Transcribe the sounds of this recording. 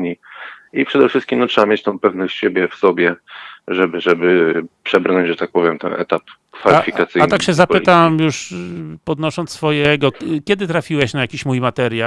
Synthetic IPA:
iipʂɛd̪ɛfʂɘst̪kʲimnɔtʂɛbamʲjet͡ɕt̪ɔ̃w̃pɛvnɔɕt͡ɕɕebʲjɛfsɔbʲjɛʐɛbɘʐɛbɘpʂɛbɾnɔɲd͡ʑʐɛt̪ak̚pɔvʲjɛmt̪ɛ̰nʔɛ̰t̪ap | kfalifʲikat̪sɘatnakɕɛzappɘt̪amjuʂpɔd̪nɔʂɔnt̪ssfɔjɛɡɔkʲɛd̪ɘt̪ɾafʲiwɛɕnajakʲiɕmujmat̪ɛɾʲja

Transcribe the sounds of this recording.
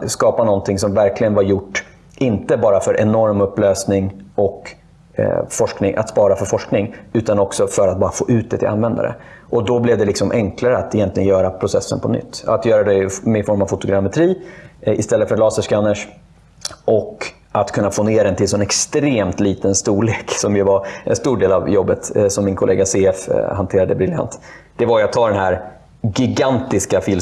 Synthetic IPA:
skɑːpanɔnt̪ʰɪŋsɔmvæɾklɪɡənvaɾjʊʈː | ʔɪnt̪əbɑːɾafœɾʔɛnɔɾmɵpːløːsnɪŋɔk | fɔʂknɪŋʔa̰t̪spɑːɾafœɾfɔʂknɪŋʉ̟ːt̪anɔksɔfœɾat̪̚bɑːɾafoːʔʉ̟ːt̪̚d̪ɛt̪ʰɪ̰lʔa̰nvɛnd̪a̰ɾə̰ | ʔɔd̪ɔblɛvd̪ɛlɪksɔmʔɛŋklaɾəat̪ɛjɛnt̪lɪɡənjœːɾapʰɾʊsɛsːə̰npʰɔnʏ̰t̪ʰːa̰t̪jœːɾad̪ɛmɛɪfɔɾmavfʊt̪ʊɡɾamɛt̪ʰɾiːɪst̪ɛlːətfœɾlɑːsəʂkanːəʂ | ʔɔk | ʔat̪kʰɵnːafoːneːɾaɛnt̪ɪlsɔnɛkst̪ɾeːmt̪liːt̪ənst̪uːɭeːksɔmjɵvaɾʔɛ̰nst̪uːɖeːla̰vjɔbːət̪sɔmːɪnkʰʊlḛːɡaseːɛfhant̪ʰeːɾad̪əbɾɪlja̰nt̪d̪̥ɛvajɵat̪ʰːɑːɖ̪ɛnɦæɾ | ɡɪɡant̪ɪskafɪl

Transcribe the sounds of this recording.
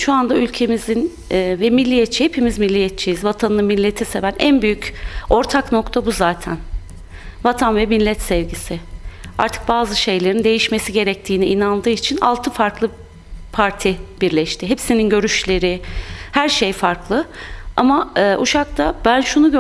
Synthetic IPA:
ʃuand̪aylʲcʰe̞mizinː | vɛmilʲːijɛt̪̚t͡ʃʰihepʰemizmilʲːijɛt̪̚t͡ʃʰijizvat̪ʰanɯnɯnmilʲːet̪ʰise̞vænʔænbyjyco̞ɾt̪ʰakno̞kt̪ʰabuzaːt̪ʰæn | vat̪ʰanvɛmilʲːɛt̪sɛvɟisɪa̰ɾt̪ʰɯ̥k̚baːzɯʃe̞jlʲe̞ɾind̪e̞jiʃme̞siɟe̞ɾɛc̚t̪ʰiːniʔinanˠd̪ɯːit͡ʃʰina̰lˠt̪ʰɯfaɾklˠɯ | pʰaɾt̪ʰib̥iɾlʲɛʃt̪ʰɪɦepsininɟø̞ɾyʃlʲe̞ɾɪhæɾʃejfaɾklˠɯamaɯːʔuʃakt̪ʰabænʃunuɟø

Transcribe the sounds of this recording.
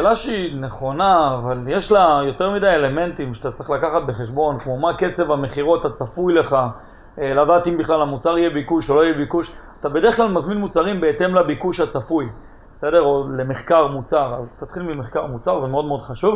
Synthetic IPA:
ʃeːlaʃeineχo̞naːvaljeʃlajo̞t̪eʁmidajele̞me̞ntimʃatat͡sʁiχlakaχat̪̚be̞χe̞ʃbo̞nkmo̞make̞t͡se̞vame̞χiʁoat̪at͡safujle̞χa | ladaːt̪imbiχlalamut͡saʁijebikuʃolo̞ijebikuʃat̪abe̞de̞ʁeχklalmazminmut͡saʁimbe̞ːte̞mlabikuʃhat͡safuj | bese̞deʁo̞le̞meχkaʁmut͡saʁazt̪at̪χilmimeχkaʁmut͡saʁvemeo̞dmeo̞dχaʃuv

